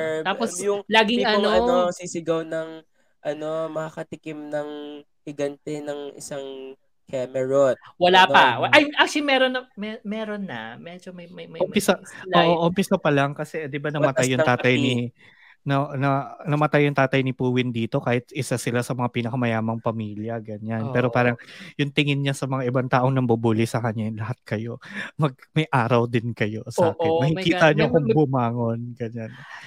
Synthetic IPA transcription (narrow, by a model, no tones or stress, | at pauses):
t̪aːposjʊŋlaːɡɪŋɐnoɐosisɪɡɐwnɐŋ | ʔɐno̞mɐakɐt̪ɪkɪmnɐŋ | hɪɡɐnt̪ɛnɐŋɪ̰saŋ | kɛmɛɹot̪̚wɐlapɐwɐʔajʔak̚t͡ʃlimɛɾonːɐmɛmɛːɾonːɐ̰mɛːd͡ʒomɐjmɐjmɐmpɪsɐoːʔoʔompɪsɐpɐlɐŋkɐsɛʔd̪ɪbanɐmɐt̪ajːʊŋaːt̪ɐjni | nɐnɐnɐmɐt̪ajːʊŋt̪aːt̪ɐjnɪpuːwɪnd̪iːt̪o̞kaːhɪt̪ʔɪsasɪlasɐmɐŋapiːnɐkɐmɐjaːmɐŋpɐmiːljɐɡɐɲanppɛːɾo̞paːɾɐŋjʊŋt̪ɪŋɪnɲasɐmɐŋaʔɪbant̪aːʔo̞ŋnɐŋbɐbuːlɪsɐkɐɲalɐhat̪̚kɐjo̞mɐɡ̚mɐjʔaːɾɐwd̪ɪnkɐjo̞saːkɪnmɐkikiːt̪ɐɲokʊŋɡʊmaːŋo̞nɡɐɲan